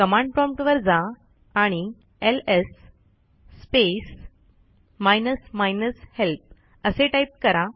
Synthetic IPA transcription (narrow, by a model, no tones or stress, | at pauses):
kəmãɳɖ̚pɾɔ̃mʈʋəɾd͡zaː | ɽ̃i | elesː | pes | majnəsmajnəshelp̚ | əseʈaip̚kəɾa